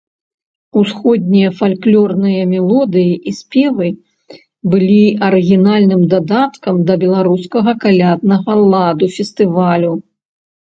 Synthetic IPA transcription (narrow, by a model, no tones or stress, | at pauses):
usxɔd̪̚ʲnʲijɐfalʲklʲɔrnɨjɐmʲɛlˠɔd̪ɨjiʔisʲpʲɛvɨ | bɨlʲiɐɾɨɣʲinalʲnɨmd̪ad̪at̪kɐmd̪ɐbʲɛlˠaɾuskɐɣɐkalʲad̪̚nɐɣɐlˠad̪ufʲɛst̪ɨvalʲu